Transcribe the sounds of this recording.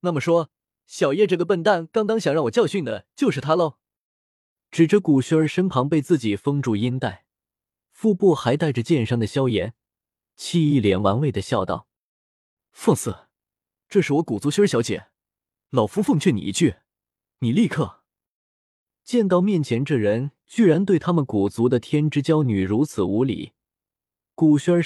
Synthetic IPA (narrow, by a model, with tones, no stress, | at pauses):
na˥˩mə˩ʂwɔ˥ | ɕjɑ˨˩ʊjɛ˥˧ʈ͡ʂɤ˥˩ɡə˩pə˥˧nt̪a˥˩nkɑ˥ŋk̪ɑ˥ŋɕjɑ˨˩ŋɻɑ˥˩ŋwɔ˨˩t͡ɕɑ˥˧ʊɕy˥˩nd̪ə˩t͡ɕjo˥˧ʊʂɻ̩˥˩t̪ʰa˥lo˥˧˩ | ʈ͡ʂɻ̩˨˩ʈ͡ʂɤ˥˩ku˨˩ɕɛ˥ə˞˧ʂə˥npʰɑ˧˥ŋpe˥˧ɪt͡sɹ̩˥˩t͡ɕi˨˩fɤ˥ŋʈ͡ʂu˥˩i˥nt̪a˥˩ɪ | fu˥˧pu˥˩xa˧˥ɪt̪a˥˩ɪʈ͡ʂə˩t͡ɕjɛ˥˧nʂɑ˥˩ŋd̪ə˩ɕjɑ˥ʊjɛ̰˧˥n | t͡ɕʰi˥˧i˥˩ljɛ˧˥nwa̰˧˥nwe˥˩ɪd̪ə˩ɕjɑ˥˧ʊt̪ɑ̰˥˩ʊ | fɤ˥˧ŋsɹ̩˥˩ | ʈ͡ʂɤ˥˧ʂɻ̩˥˩wɔ˧˥ku˨˩t͡su˧˥ɕɕjɑ˧˥ʊt͡ɕjɛ̰˨˩˦ | lɑ˨˩ʊfu˧˥fɤ˥˧ŋt͡ɕʰɥɛ˥˩nḭ˨˩ḭ˧˥t͡ɕy˥˩ | ni˨˩li˥˧kʰɤ˥˩ | t͡ɕjɛ˥˧nt̪ɑ˥˧ʊmjɛ˥˩nt͡ɕʰjɛ˧˥nʈ͡ʂɤ˥˩ɻə˧˥n | t͡ɕy˥˩ɻa˧˥nt̪we˥˩ɪt̪ʰa˥mə˨nku˨˩t͡su˧˥d̪ə˧t̪ʰjɛ˥nʈ͡ʂɻ̩˥t͡ɕjɑ˥ʊny˨˩ɻu˧˥t͡sʰɹ̩˨˩u˧˥lḭ˨˩˦ | ku˨˩ɕy˥ə˞˧˥